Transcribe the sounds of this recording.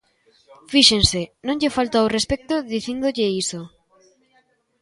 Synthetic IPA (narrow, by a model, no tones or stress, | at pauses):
fiʃensenõŋʎɪfalt̪awrespɛk̚t̪ʊðiθind̪oʎeiso